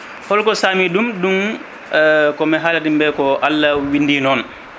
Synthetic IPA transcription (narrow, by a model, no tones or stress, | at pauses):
hɔlkɔsaːmidumdun | kɔmɛɦalatimbɛkɔʔalːawindiːnɔn